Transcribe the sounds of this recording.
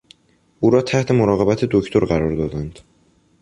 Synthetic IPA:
ʔuːɾɒːt̪ʰæht̪ʰemoɾɒːɣe̞bæt̪ʰed̪oct̪ʰoɾɢæɾɒɾd̪ɒːd̪ænd̪̥

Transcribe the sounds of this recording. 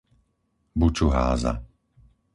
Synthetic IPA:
but͡ʃuɦa̰ːza̰

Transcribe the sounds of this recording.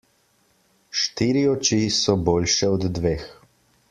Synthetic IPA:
ʃt̪iːɾiɔt͡ʃisɔboːlʃɛɔd̪ːʋeːx

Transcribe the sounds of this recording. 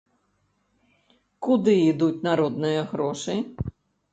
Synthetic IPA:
kud̪ɨid̪ut͡sʲnaɾɔd̪nɨjɐɣɾɔʂɨ

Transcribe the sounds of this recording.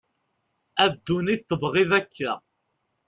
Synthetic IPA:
æd̪ːuniθt̪əbʁiðækːæ̰

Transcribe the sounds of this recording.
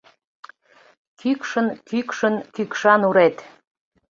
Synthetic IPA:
kykʃənkykʃənkykʃɑnuɾet̪

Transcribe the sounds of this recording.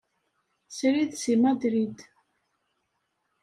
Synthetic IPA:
sɾiðsimad̪ɾid̪

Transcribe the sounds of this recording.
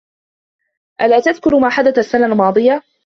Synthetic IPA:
ʔalaːt̪aðkʊɾmaːħad̪at̪asːanaʔlmɑːd̪ˤɨja

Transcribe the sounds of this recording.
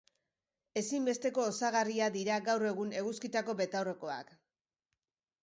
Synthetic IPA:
e̞simbe̞st̪e̞ko̞ːsaɣariaðiɾaɣawre̞ɣ̞une̞ɣuskit̪ako̞be̞t̪awre̞ko̞a̰k

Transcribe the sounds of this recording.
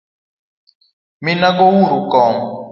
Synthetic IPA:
minaɡɔwuɾukɔːm

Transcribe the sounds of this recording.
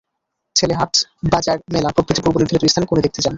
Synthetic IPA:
t͡ɕʰeleɦaʈbad͡ʑaɾmelapɾokɾit̪ipuɾboniɾd̪ɾit̪ɾist̪ʰanekonod̪ek̚t̪et͡ɕan

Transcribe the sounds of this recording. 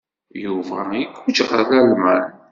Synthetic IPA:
juvæiɡud͡ʒʁaðælmæn

